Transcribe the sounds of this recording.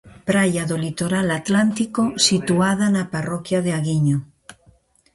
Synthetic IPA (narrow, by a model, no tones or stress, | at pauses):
pɾajaðolit̪oɾalat̪lant̪ikosit̪uað̞anaparokjaðeaɣiɲo